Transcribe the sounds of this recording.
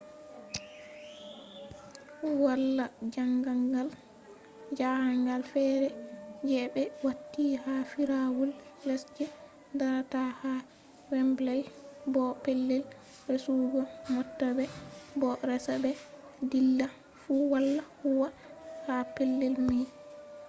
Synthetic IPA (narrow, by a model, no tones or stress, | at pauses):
walːad͡ʒaŋɡaŋɡal | d͡ʒahaŋɡalfɛːɾɛd͡ʒɛbɛwatːiːhafiɾawullɛsd͡ʒɛ | daɾataha | wɛmblɛlbɔpelːɛl | ɾesuːɡɔmɔtːabɛbɔɾɛsabɛ | dilːa | fuwalːahuwa | hapelːɛlmij